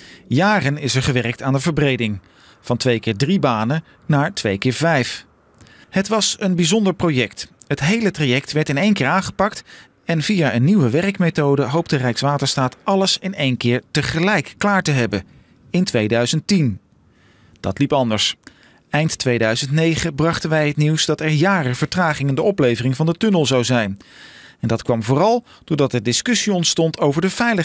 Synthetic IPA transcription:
jaːrənɪsɛɹχəʋɛrək̚taːndəvəɹbrejdɪŋ | v̥ɑntʋejkɪːɹdribaːnə | naːɹtʋejkɪːɹvɛjf | hətʋɑsənbizɔndəɹprowjɛktɦətɦejlətrajɛk̚tʋɛɹtɪnejŋkɪːɹaːnχə̥pɑkt | ɛnvijaʔənːiwəʋɛrəkmejtowdəɦowp̚tərɛjksʋaːtəɹstaːtɑləsɪnejnkɪːɹtəχəlɛjkːlaːɹtəɦɛbə | ɪntʋejdœɥzənttin | d̥ɑ̰tlipɑndəɹs | ɛjnttʋejdœɥzəntnejχəbrɑχtənʋɛjɦətniwzdɑtɛɹjaːrəv̥əɹtraːχɪŋɪndəɔplejvərɪŋvɑndətɵnəlˠzɑwzɛjn | ɛndɑtkʋɑmvʊːrɑlˠ | d̥ʊːɹdɑt̚dədɪskʏsiɔntstɔntʰowvəɹdəv̥ɛjlə

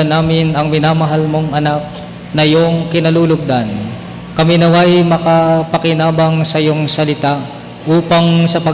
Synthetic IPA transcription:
ɐnaːmɪnɐŋmɪnamɐɦalmoŋɐnak̚ | nɐjoŋkɪnɐluːlʊɡ̚d̪an | kɐminɐwajmɐkɐpɐkɪnaːbɐŋsɐjoŋsɐlɪt̪a | ʔuːpɐŋsɐpɐ

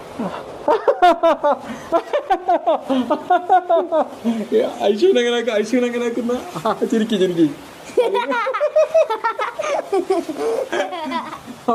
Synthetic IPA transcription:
ɐjɕ̬jɐʋinɐŋːɐneaːkːɨɐjɕjɐʋinɐŋːɐneaːk̬ːunːɐt͡ɕiɾikʲːit͡ɕiɾik̬ʲːi

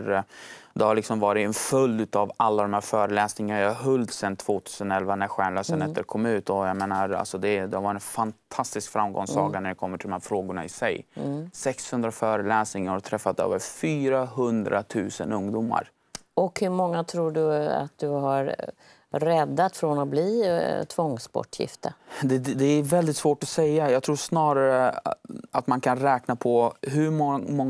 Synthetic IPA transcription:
ɾd̪ɛhaɭɪksɔmvɑːɾɪɛnfɵld̪ʉ̟ːt̪avalːad̪ɔmhæːɾfœːɾəlɛːsnɪŋanajaaɦɵld̪sɛnt̪ʰv̥oːt̪ʰʉːsənɛlvanæɾɧæːɳløːsənɛt̪ːəɾkʰɔmːaʉ̟ːt̪ɔjameːnaɾa̰lsɔd̪ɛd̪ɛhavɑːɾɪɛnfantt̪ʰast̪ɪskfɾamɡɔ̰ŋssɑːɡanæɾjakʰɔmːəʈʰɪlɔmhæːɾfɾoːɡʊɳa̰ɪsɛjsɛkshɵnd̪ɾafœːɾəlɛːsnɪŋaɾhat̪ʰɾɛfːat̪ø̰ːvəɾfyːɾaɦɵnd̪ɾʔat̪ʰʉ̟ːsə̰nɵŋd̪uːmːa̰ɾ | ɔkhɵɾmɔŋːat̪ʰɾuːɖɵa̰t̪̚d̪ɵɦaɾ | ɾɛd̪ːat̪fɾɔnɔbliːt̪ʰvɔŋspɔ̰ʈʰːjɪ̰ft̪əd̪ɛd̪ɛæɾvɛld̪ɪt̪svoːʈɔsɛjːajɑɡt̪ʰɾuːʂnɑːɾaɾə | at̪mankʰanɾɛːknapʰɔɦɵɾmmɔ

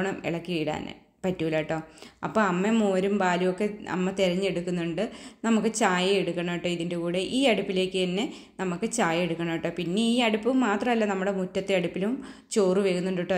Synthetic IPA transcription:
ɳɐmḭɭɐkːiiːɽa̰ːnɨ̰ | pɐtːuʋilɐʈːo̞ːɐ̰pːo̞ːɐmːemoːɾumbaːlijokːe̞ɐ̰mːɐt̪iɾɐɲːeɽukːunːuɳɖɨnɐmukːɨt͡ɕaːjɐeɽukːɐɳoʈːoːiðinde̞kuːɽeʔiːɐɽupːile̞ːkːɨɐnːe | nɐmukːɨt͡ɕaːjɐeɽukːɐɳoʈːo̞ːpinːe̞iːɐɽupːɨmaːt̪rɐmɐlːɐnɐmːuɽe̞mutːɐt̪ːeɐɽupːilumt͡ɕo̞ːriʋeːɣunːuɳɖuʈːo

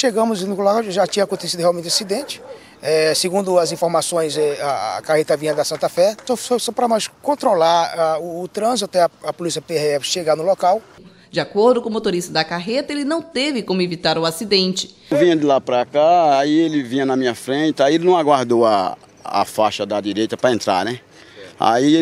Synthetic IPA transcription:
ʃeɡɐ̃mʊznʊlokawʒat͡ʃĩɐkõt̪esid̪ʊheawmẽt͡ʃ̪asid̪ẽnt͡ʃɪ̥ | ɛsɪɡũnd̪ʊɐzĩfoɾmasõj̃zɛa̰kahet̪ɐvĩɲɐd̪ɐsɐ̃nt̪afɛssɔsɔ̃pɾɐmajskõt̪ɾolaɾaʊːt̪ɾɐ̃zɪt̪t̪ɛɐɐpolisiɐpeeɛʃeɡanʊlokaw | d͡ʒiakoɾd̪ʊkõmot̪oɾist̪ɐd̪ɐkaɦet̪ɐelɪnɐ̃w̃t̪evɪkõmʊevit̪aɾʊasid̪ẽnt͡ʃɪ̥ | vĩɲɐd̪ɪlapɾɐkaaielɪvĩɲɐnɐmĩɲɐfɾẽt̪ɪaielɪnɐ̃w̃aɡwaɾd̪oa̰ː | faʃɐd̪ɐd̪iɾejt̪ɐpɾɐẽnt̪ɾa̰nɛ | a̰i

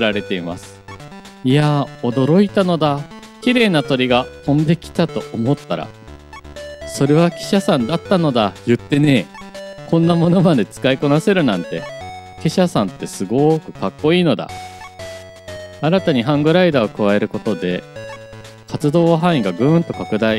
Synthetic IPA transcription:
kɯɾaɾe̞t̪e̞ima̰sɨ̥ | iao̞d̪o̞ɾo̞it̪ano̞d̪a | kʲiɾe̞ːnat̪o̞ɾʲiɡahõ̞nd̪e̞kʲi̥t̪at̪o̞ʔːmo̞t̪ːaɾa̰ | so̞ɾe̞β̞akʲi̥ɕasãnd̪at̪ːano̞d̪ajɯ̟t̪ːe̞ne̞kõ̞nːamo̞no̞mad̪e̞t͡sɨ̥kaiko̞nase̞ɾɯ̟nãnt̪e̞̰ | kʲeɕasãnt̪ːe̞sɨɡo̞kɯ̟kakːo̞iːno̞d̪a̰ | aɾat̪aɲ̟iɦãŋɡɯ̟ɾaid̪aːokɯ̟βae̞ɾɯ̟ko̞t̪o̞d̪e̞ | kʰat͡sɨd̪o̞ːβaɦãĩɡaɡɯ̟̃nt̪o̞kakɯ̟d̪ai

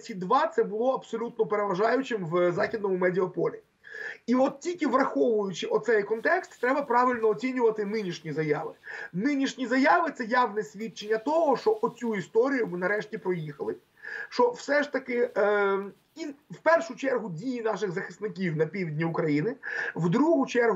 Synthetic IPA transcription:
sʲid̪ʋɑt̪sɛbʊlˠɔɐpsɔlʲut̪̚nɔpeɾeʋɐʒɑjʊt͡ʃɪmʋzɑxʲid̪nɔmʊmɛdʲɪɐpɔlʲi | iɔt̪̚tʲilʲkʲɪʋrɐxɔʋʊjʊt͡ʃɪʔɔt̪sɛjkɔnt̪ɛkst̪ːɾɛbɐpɾɑʋʲɪlʲnɔːt͡sʲinʲʊʋɐt̪ɪnɪnʲiʃnʲizɐjɑʋɪ̰nɪnʲiʃnʲizɐjaʋɪt̪sɛjɑʋnɛsʲʋʲit͡ʃenʲːɐt̪ɔɦɔʃt͡ʃɔʔɔt͡sʲuist̪ɔɾʲijʊmɪnɐɾɛʃtʲipɾɔjixɐlˠɪ | ʃt͡ʃɔwsɛʃt̪ɐkɪ | iwpɛrʃʊt͡ʃɛrɦʊdʲijinɑʃɪɣzɐxɪ̥snɪk̬ʲiwnɐpʲiʋʲdʲnʲiʊkɾɐjinɪʋd̪ɾuɦʊt͡ʃɛrɦ

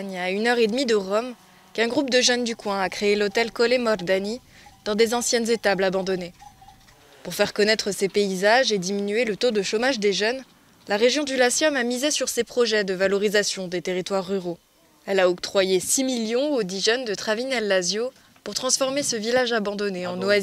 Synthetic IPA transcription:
ɲaynœʁed̪mid̪əʁɔm | kɛ̃ɡʁup̚d̪əʒœnd̪ykwɛ̃akχeelot̪ɛlkɔlemɔʁd̪ani | d̪̥ɑ̃d̪ezɑ̃sjɛnzet̪ablabɑ̃d̪ɔne | puʁfɛʁkɔnɛt̪χəsepeizaʒed̪iminyelət̪od̪əʃomaʒd̪eʒœn | laʁeʒjɔ̃d̪ylasjɔmamizesyʁsepχɔʒɛd̪əvalɔʁizasjɔ̃d̪et̪eʁit̪waʁːyʁo | ɛlaɔk̚t̪χwajesimiljɔ̃od̪iʒɛnd̪ət̪χavinɛlːazjo | puʁt̪χɑ̃sfɔʁmesəvilaʒabɑ̃d̪ɔneɑ̃noazi

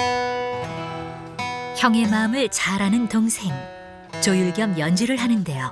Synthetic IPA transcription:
çjʌŋe̞maɯmɯɭt͡ɕaɾanɯntoŋsʰe̞ŋ | t͡ɕojuɭɡjʌmjʌnd͡ʑiɾɯɭɦanɯnde̞jo

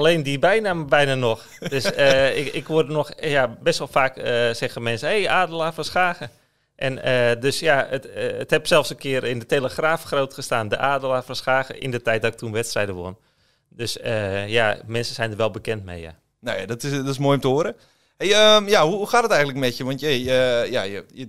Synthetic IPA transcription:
aleːndibɛjnaːməbɛjnanɔx | d̥øsəɪkʋʊdənɔxjabɛstʋɔlˠfaːkəsɛɣəmɛnsəhejʔaːdəlˠaːfəsxaːɣə | ʔɛnədøsjaətəthɛpsɛlˠfsənkɪəɾɪndətejləxraːfxroːtxəstaːndə̰ʔaːdəlˠafənsxaːɣə̰ʔɪ̰ndətɛjt̚dɔtɪk̚tunʋɛtstrɛjdəʋʊ̰n | døsəjamɛnsəsɛjndərʋɛlˠbəkɛntmḛjja̰ | nojadɔtɪsdɔɪsmoəjʊmtəoəɾə | hejəmjahuhuxaːtdətɛjɣətləkmɛtjəʋɔntjəjəjajəjə

